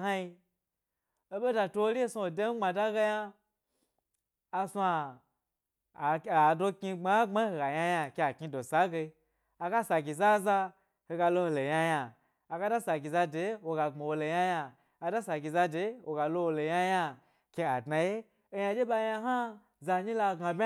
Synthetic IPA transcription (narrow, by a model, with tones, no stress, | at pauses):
ha˦i˧ | o˦be˦da˧to˧wo˦li˦e˦su˧wo˨de˦m̩˦ŋ͡ma˨da˦ɡa˧ja˧ | a˧su˦a˧˨ | a˨do˧ki˧ŋ͡ma˨˦ŋ͡ma˦ho˧ɡa˨ja˧ja˧kʲe˧a˨ki˧do˨sa˨˦ɡe˧i˧ | a˨ɡa˦sa˨ɡʲi˨za˦za˧ | ho˧ɡa˧lo˧ho˧lo˨ja˧jaː˧˨ | ɡa˧da˦sa˨ɡʲi˨za˧de˨˦wo˧ɡa˨ŋ͡ma˨wo˧lo˨ja˧jaː˧˨ | da˦sa˨ɡʲi˨za˧de˨˦wo˧ɡa˨lo˧wo˧lo˨ja˧ja˧ | kʲe˧a˨dna˧je˦ | o˧ja˧d͡ʒe˦ba˧˦ja˧ɦa˦ | za˧˨ɲi˦la˧ɡa˨bʲ